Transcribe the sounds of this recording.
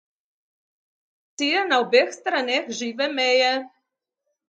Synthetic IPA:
t̪ijɛnaobexst̪ɾanʲexʒiːʋɛmejɛ

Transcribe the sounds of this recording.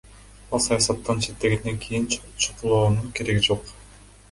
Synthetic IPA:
ɑlˠsɑjɑsɑt̪ːɑnt͡ʃʰe̞t̪ːe̞ɡe̞nd̪e̞ŋkʰijint͡ʃʰuqulˠoːnuɴke̞ɾe̞ɡid͡ʒo̞q

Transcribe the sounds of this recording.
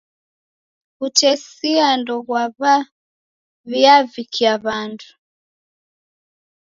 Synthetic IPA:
utɛsiandɔɣwaβa | βiavikʰiaβandu

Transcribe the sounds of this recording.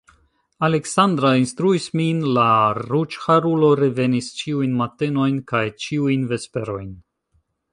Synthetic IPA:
ale̞ksand̪ɾainstɾuisminlaɾut͡ʃhaɾulo̞ɾeve̞nist͡ʃiujnmate̞no̞jnkajt͡ʃiujnve̞spe̞ɾo̞jn

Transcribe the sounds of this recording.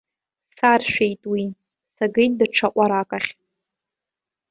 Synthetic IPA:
sarʃᶣejtʼwi | saɡɨjtdaʈ͡ʂʰaʔʷʼaɾakʼaχʲ

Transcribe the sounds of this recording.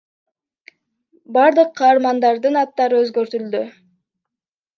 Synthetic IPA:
bɑɾd̪ɯqʰːɑːɾmɑnd̪ɑɾd̪ɯnɑt̪ːɑɾɯøzɡøɾt̪yld̪y

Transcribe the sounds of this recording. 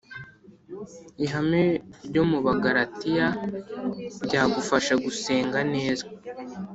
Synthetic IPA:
iɦameɾɟo̞muβaɡaɾatija | ɾɟaːɡufaʃaɡuse̞ːŋɡane̞ːza

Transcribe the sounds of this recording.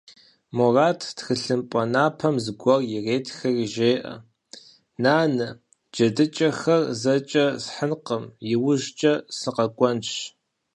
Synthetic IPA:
moraːtʰtxɨɬɨmpʼɐnaːpʰɐmzɨɡʷɔrjɪreːtʰxɐrʒeːʔɐ̰ | naːnɨ | d͡ʒɐdɨt͡ʃʼɐxɐrzɐt͡ʃʼɐsħənqəmjɪwʊʒt͡ʃʼɐsɨqɐkʷʼɔnʃ

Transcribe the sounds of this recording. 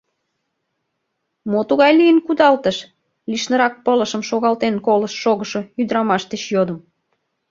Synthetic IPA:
mot̪uɣɑjlijənkud̪ɑlt̪əʃ | liʃnəɾɑk̚pələʃə̆mʃoɣɑlt̪enkoləʃːoɣəʃoyd̪ɾɑmɑʃt̪et͡ɕjod̪ə̆m

